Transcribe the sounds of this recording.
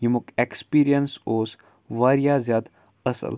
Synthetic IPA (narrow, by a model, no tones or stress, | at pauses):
jimukekspiːɾijənsoːs | ʋaːɾijaːzʲjaːd̪ | əsə̰l